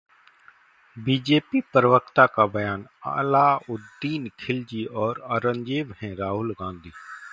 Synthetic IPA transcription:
biːd͡ʒeːpipəɾʋəkt̪akabəjaːna̰ːlaːʊd̪ːiːnkʰɪld͡ʒiːɔːɾəɾə̃ɲd͡ʒeːʋhɛ̃ɾaːɦʊlɡãːnd̪ʱiː

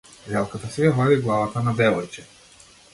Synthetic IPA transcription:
ɾɛlˠkat̪asɛavaliɡlˠavat̪anad̪ɛvɔjt͡ʃɛ̥

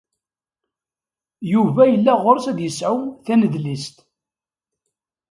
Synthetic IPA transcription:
juvæjəlːæʁʊɾsæd̪jəsʕʊθænəðlist̪

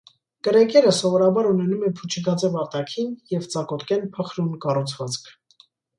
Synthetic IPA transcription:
kəɾɛkɛɾəsɔvɔɾɑbɑɾunɛnumɛpʰut͡ʃʰəɡɑt͡sɛvɑɾt̪ɑkʰinjɛvt͡sɑkɔt̪kɛnpʰəχɾunkɑrut͡sʰvɑt͡skʰ

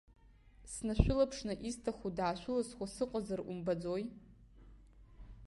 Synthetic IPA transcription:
snaʃᶣʷʊlapʰʂnɨʔistʰaχudaːʃʷᶣʊlaswasɨqʼazarʔumbad͡zoj

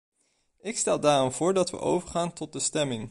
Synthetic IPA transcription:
ɪkstɛlˠdaːrɔmv̥ʊːɹdɑtʋə̰ʔo̰wvəɹχaːntɔt̚dəstɛmɪŋ

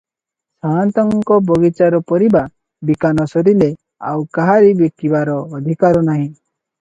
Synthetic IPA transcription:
sant̪ɔŋkɔbɔɡit͡ʃaɾɔpɔɾiba | bikanɔsɔɾile | a̰wkaɦaɾibekkibaɾɔːd̪ʱikaɾɔnaɦĩ

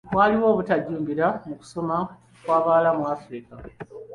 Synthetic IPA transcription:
βwaːliwo̞ːβutaɟːuːmbiɾamuku̥soma | kwaːβalamuafɾika

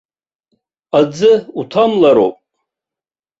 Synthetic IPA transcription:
ad͡zɨutʰamlaɾo̰wpʼ

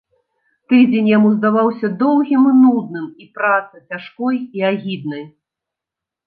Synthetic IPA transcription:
t̪ɨd͡zʲenʲjamuzd̪avawsʲɐd̪ɔwɣʲimɨnud̪nɨmipɾat̪sɨt͡sʲaʂkɔjiaɣʲid̪nɐj

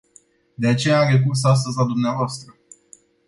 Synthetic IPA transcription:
d̪e̞at͡ʃe̞jaɾekurs̬as̬t̪əzʲlad̪umneavoast̪ɾə

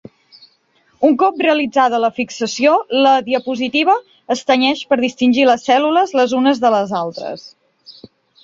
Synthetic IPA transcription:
uŋkɔp̚reəlid͡zað̞ələfiksəsioləðiəpuzit̪iβ̞əː | st̪əɲɛʃpəɾðist̪inʲʒiləsːɛluləzləzunəzðələzalˠt̪ɾə̰s

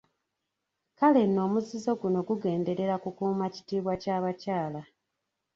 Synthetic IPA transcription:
kale̞no̞ːmuzizo̞ɡuno̞ɡuɡe̞ːnde̞ɾe̞ɾakukuːmaci̥tiːβwacaːβacaːla

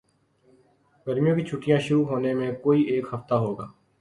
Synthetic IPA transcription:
ɡəɾmijõkit͡ʃʰʊʈːijãːʃʊɾuːɦoːnemẽkoːiːʔeːkhəft̪aːɦoːɡaː

